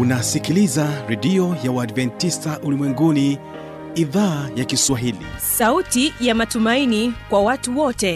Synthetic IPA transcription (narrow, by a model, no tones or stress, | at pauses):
unasikilizaɾɛɗiɔjawaːdvɛntistaʔulimwɛŋɡuni | iðaːjakiswaɦilḭsautijamatumainikwawatuwɔtɛ